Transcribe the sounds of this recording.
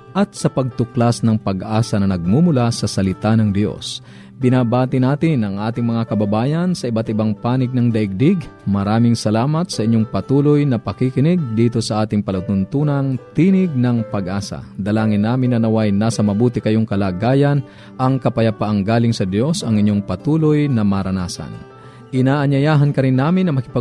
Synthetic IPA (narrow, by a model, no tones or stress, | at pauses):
ʔɐt̪̚sɐpɐɡ̚t̪ʊklasnɐŋpɐɡʔaːsɐnɐnɐɡ̚mumʊlasɐsɐlɪt̪anɐŋd̪jo̞̰s | bɪnaːbaːt̪ɪnaːt̪ɪnʔɐŋʔaːt̪ɪŋmɐŋakɐbɐbaːjɐnsɐʔɪbat̪ɪbaŋpaːnɪɡ̚nɐŋd̪ɐʔɪɡ̚d̪ɪɡmɐɾaːmɪŋsɐlaːmɐt̪sɐʔɪɲːoŋpɐt̪uːlojnɐpɐkikɪnɪɡ̚d̪iːt̪o̞sɐʔaːt̪ɪŋpɐlut̪ʊnt̪uːnɐŋt̪iːnɪɡ̚nɐŋpɐɡʔaːsɐ̰d̪ɐlaːŋɪnːaːmɪnːɐnɐwajnaːsɐmɐbuːt̪ɪkɐjoŋkɐlaːɡaːjɐn | ʔɐŋkɐpɐjɐpaʔaŋɡaːlɪŋsɐd̪jo̞sɐŋɪɲjoŋpɐt̪uːlojnɐmɐɾɐnaːsɐ̰n | ʔɪnaːʔɐɲɐjaːɦɐnkɐɾɪnːaːmɪnːɐmɐkɪpɐ